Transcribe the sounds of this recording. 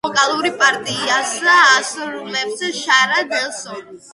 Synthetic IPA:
ɔkʼalˠuɾipʼaɾt̪ʼiasaːsɾulɛbzɛʃaɾad̪ɛlˠsɔn

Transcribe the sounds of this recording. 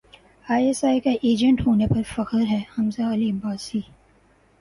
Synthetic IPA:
aːesaːikaʔeːd͡ʒə̃ɳʈɦoːnepɐɾfɐkəɾɦɛːhɐmzaɐlibaːsiː

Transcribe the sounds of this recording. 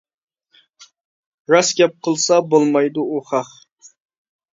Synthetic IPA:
ɾɑsɡʲɛp̚qʰəlˠsɑbolˠmɑjd̪ʊuχɑχ

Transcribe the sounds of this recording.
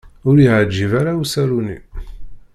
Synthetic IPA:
ʊɾiʕəd͡ʒːivaɾausæɾunḭ

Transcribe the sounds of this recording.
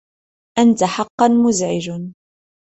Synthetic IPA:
ʔant̪aħɑqːɑnmʊzʕɪd͡ʒ

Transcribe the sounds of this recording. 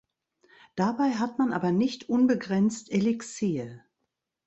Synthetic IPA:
d̥abaɪɦatmanʔa̰ːbɐnɪçtʰʔʊnbəɡʁɛnt͡stʔelɛkseːə

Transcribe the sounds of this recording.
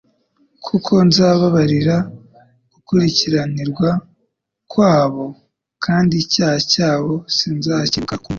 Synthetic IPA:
kʰukʰo̞nzaːβaβaɾiɾa | ɡ̥ukuɾiciɾaniɾɡwa | kwaːβo̞ | kʰaːndicaːhacaːβo̞sinzacikak

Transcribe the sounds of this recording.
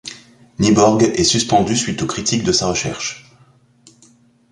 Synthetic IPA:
nibɔʁɡɛsyspɑ̃d̪ysɥit̪okχit̪ʰikd̪əsaʁəʃɛ̰ʁʃ

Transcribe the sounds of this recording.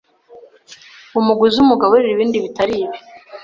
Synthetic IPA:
umuɡuziumuɡaβoɾeɾiβiːndiβitaɾiːβi

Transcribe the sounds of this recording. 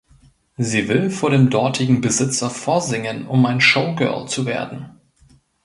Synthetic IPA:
ziːvɪlfoːɐɾeːmdɔɐtʰɪɡŋ̩bəzɪt͡sɐfɔːɐzɪŋənʊmaɪnʃoʊɡɜ̰ɐlt͡suvḛːɐdn̩

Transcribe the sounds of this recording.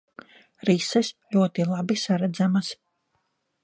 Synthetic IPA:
ɾisɨslʲuɔt̪ilˠabisaɾad̪zamas

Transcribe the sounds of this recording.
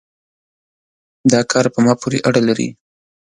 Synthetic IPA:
d̪ɑkʰɑɾpəmɑpʰoɾḛʔaɽalaɾḭ

